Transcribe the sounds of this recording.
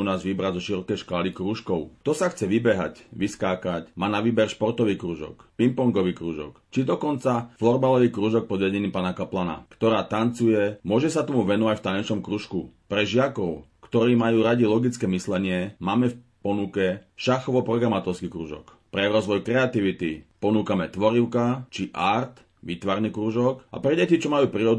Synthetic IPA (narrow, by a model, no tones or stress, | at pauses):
unaːzʋibɾazɔʃiɾɔkɛjʃkaːlikɾuːʃkɔʊt̪ɔsaxt͡sɛʋibɛɦa̰cʋiskaːkacmaːnaʋiːbɛɾʃpɔɾt̪ɔʋiːkɾuːʒɔ̰kpimpɔŋɡɔʋiːkɾuːʒɔ̰kt͡ʃid̪ɔkɔnt͡saflɔɾbalɔʋiːkɾuːʒɔk̚pɔd̪ʋɛɟɛniːmpaːnakaplana̰kt̪ɔɾaːt̪ant͡sujɛmʊɔʒɛsat̪ɔmuʋɛnɔʋacft̪aɲɛʃnɔmkɾuːʃkṵpɾɛʒɪakɔʊkt̪ɔɾiːmajuːɾaɟilɔɡit͡skɛːmislɛɲɪɛmaːmɛf | pɔnukɛʃaxɔʋɔpɾɔɡɾamat̪ɔɾskikɾṵːʒɔ̰k | pɾɛɾɔzʋɔjkɾɛat̪iʋit̪ipɔnuːkamɛt̪ʋɔɾiʊkat͡ʃiʔaɾt̪ | ʋit̪ʋaɾnikɾuːʒɔkʔa̰pɾɛɟɛcit͡ʃɔmajuːpɾiːɾɔd̪